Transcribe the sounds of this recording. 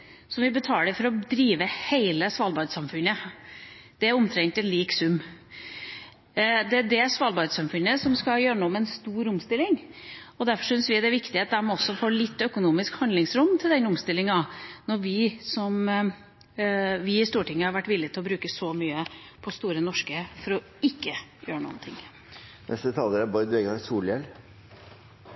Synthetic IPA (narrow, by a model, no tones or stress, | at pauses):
sɔʋɪbət̪ʰɑːləfɔɾɔd̪ɾiːʋəheɪləsʋɑlbɑd̪sɑmfʉnːə | d̪̥ɛæɾʊmt̪ʰɾɛŋt̪ɛnliːksʉmː | d̪ɛæɖɛsʋɑːlbɑd̪sɑmfʉnːəsɔmskɑjøːɾəɳuːmɛnst̪uːɾʊmst̪ɪlːɪŋ | ɔd̪æɾfɔʂʏnsʋɪd̪ɛʋɪkt̪ɪət̪̚d̪æɾmɑnɔsːɔfoːɭɪt̪ːœkʊnuːmɪskhɑnd̪lɪŋsɾʊmːt̪ʰɪld̪ɛnʊmst̪ɪlːɪŋɑnɔɾʋɪsɔm | ʋɪɪst̪uːʈɪŋːəhɑɾʋæʈːʋɪlːɪt̪ɪlɔbɾʉːkəsɔmyːə | pʰɔst̪uːɾənɔʂkəfɔɾɔ | ɪkːəjøːɾəɳṵːənt̪ʰɪ̰ŋː | nʔɛ̰st̪ət̪ʰɑːləɾəbɔɾd̪ʋeɡɑsuːljɛl